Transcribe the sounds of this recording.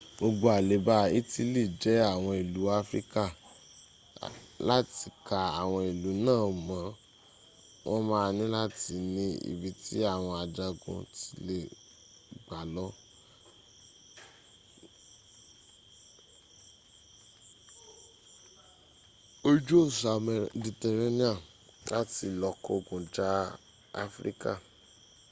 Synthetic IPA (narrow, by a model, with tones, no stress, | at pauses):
ɡ͡bo˧ɡ͡bo˧a˨le˨˦ba˦i˦ti˦li˦˨d͡ʒɛ˨˦a˦˨w̃ɔ̃˧i˨lu˨˦a˦fɾḭ˦ka˦˨ | la˦ti˧˦ka˧a̰˨w̃ɔ̃˧i˨lu˨˦nãː˦˨mã˨˦ | wʔɔ̃˦mãː˦˧nĩ˦la˦ti˨˦nĩ˧ḭ˨bi˧˦ti˦a˦˨w̃ɔ̃˧a˨d͡ʒa˧ɡṵ̃˧ti̥˧le˨ | ɡ͡ba˨lɔ˦ | o˦d͡ʒo˦˨sa˨m˨di˧tɛ˧ɾe˦nĩ˦a˦˨ | la˦ti˧lɔ˨kɔ˧ɡũ˨d͡ʒa˦ | a˦fɾḭ˦ka̰˦˨